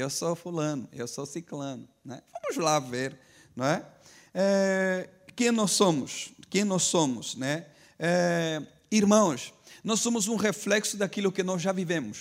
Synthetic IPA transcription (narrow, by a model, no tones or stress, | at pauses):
ewsofulɐ̃nʊewsosiklɐ̃nʊnɛvɐ̃mʊzlaveɾ | nõɛɛ | kẽj̃nɔssõmʊskẽj̃nɔssõmʊsnɛ | ɛ | iɾmɐ̃w̃snɔsːõmʊzũʁeflɛksʊd̪akilʊkɪnɔzʒavivẽmʊs